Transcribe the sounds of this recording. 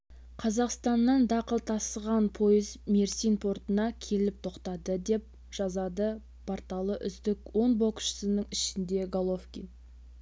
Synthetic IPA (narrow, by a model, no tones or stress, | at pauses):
qʰɑzɑqst̪ɑnːɑnd̪ɑqəlˠt̪ʰɑsəʁɑnpʰo̞jəzmeɾsinpʰo̞rt̪ənɑkʲʰe̞lɪp̚t̪ʰo̞qt̪ɑd̪əd̪e̞p̚ | ʒ̥ɑzɑd̪ə | pʰort̪ɑlˠəʔʏzd̪ɪkwo̞nbo̞kʃə̥sənəŋɪʃɪnd̪e̞ɡolˠofkʲḭn